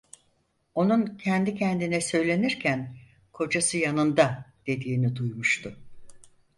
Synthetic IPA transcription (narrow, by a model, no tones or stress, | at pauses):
o̞nuncʰɛnd̪icʰɛnd̪inɛsø̞jlʲe̞niɾcʰæn | kʰo̞d͡ʒasɯjanɯnd̪ad̪̥e̞d̪iːnid̪ujmuʃt̪ʰʊ